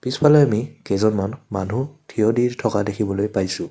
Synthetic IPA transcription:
pispʰalɔjamikɛzɔnmanma̰nɦutʰiɔdiɹtʰɔkadekʰibɔlojpajsʊ̃

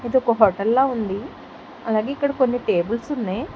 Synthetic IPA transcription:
ed̪ukːoɦoʈɐlːaːund̪i | ɐlːaːɡeikːɐɽekonːiʈeːbɨlsunːeː

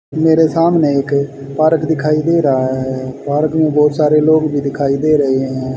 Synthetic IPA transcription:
meːɾeːsaːmneːɪk | paːɾəkd̪ɪkʰaːiːd̪eːɾaːɦɛːpaːɾəknũːbɔːt̪saːɾeːloːkbʱiːd̪ɪkʰaːiːd̪eːɾəɦeːɦɦɛ̃ː

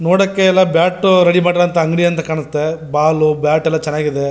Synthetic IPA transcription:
noːɽɐkːeːlːɐbjaːʈːɾeɽimaːʈiɾɐɐnt̪ɐɐŋɡɽiɐnt̪ɐkaːɳust̪ːebaːlubjaːʈɛlːɐt͡ʃɛnːaːɡid̪e

